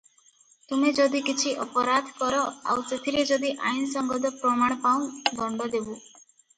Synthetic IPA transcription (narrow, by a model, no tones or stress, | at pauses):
t̪umed͡ʒɔd̪ikit͡ʃʰiʔɔpɔɾad̪ʱkɔɾɔa̰wset̪ʰiɾed͡ʒɔd̪iʔa̰jnsɔŋɡɔd̪ɔpɾɔmaɽ̃ɔpaw̃d̪ɔɳɖɔd̪ebu